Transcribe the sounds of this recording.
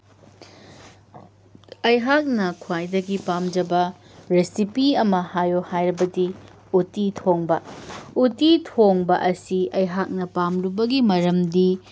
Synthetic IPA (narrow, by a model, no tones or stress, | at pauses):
ɐjɦak̚nɐkʰwajdɐɡipamd͡ʒɐbɐ | ɾesipiɐmɐhajohajɾɐbɐdi | utitʰoŋbɐutitʰoŋbɐ̰ʔɐsiɐjɦak̚nɐpamlubɐɡimɐɾɐmdi